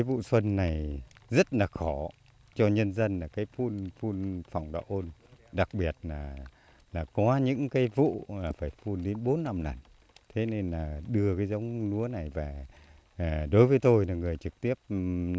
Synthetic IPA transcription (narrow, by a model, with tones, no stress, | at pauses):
jvṵ˧˨swə˧nːa˨˩jzə˦˥t̚laː˨˩xɔ˧˩ | t͡ɕɔ˧ɲə˧nzə˧nlaː˨˩kaː˨˦jfu˧nfu˧nfa˨˩wŋ͡mɗa̰˧˨ʔo˧nɗa˨˩k̚ɓi˨˩ət̚laː˨˩ | laː˨˩kɔ˨˦ɲɨ̰˧˥ŋkaː˨˦jvṵ˧˨laː˨˩faː˧˩jfu˧nɗe˨˦nɓo˨˦nːa˧mna̰ː˨˩n | t̪ʰe˨˦ne˧nlaː˨˩ɗɨ˧əkaː˨˦jzə˨˦wŋ͡mnu˨˦əna˨˩jvaː˨˩˨ | ɗo˨˦jvəː˨˦jt̪o˧jlaː˨˩ŋɨ˨˩əjt͡ɕɨ˨˩k̚t̪i˦˥əp̚